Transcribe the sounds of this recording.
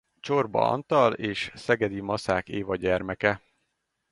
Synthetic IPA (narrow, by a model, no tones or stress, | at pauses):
t͡ʃorbɒ̰ɒ̰nt̪ɒleːʃsɛɡɛd̪imɒsaːkeːvɒɟɛrmɛkɛ